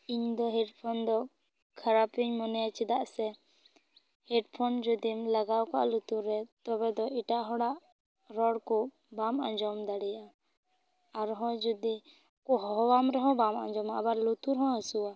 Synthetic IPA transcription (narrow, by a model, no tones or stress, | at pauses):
iɲd̪ɔɦɛʈpʰɔnd̪ɔ | kʰaɾapiɲmɔnɛjat͡ʃid̪aʔsɛ | hɛʈpʰɔnd͡ʒud̪imlaɡawka̰ʔlut̪uɾɛt̪ɔbɛd̪ɔiʈaʔɦɔɽaʔ | ɾɔɽkɔ | bamãɲd͡ʒɔmd̪aɽɛjaʔa | aɾɦɔ̃d͡ʒud̪i | kɔɦɔɔwamɾɛɦɔ̃bama̰ɲd͡ʒɔmaʔabaɾlut̪uɾɦɔ̃ɦɔsuwa